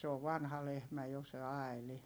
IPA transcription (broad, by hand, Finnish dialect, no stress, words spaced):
se oʋ ʋɑnhɑ lehmæ jo se ɑi̯li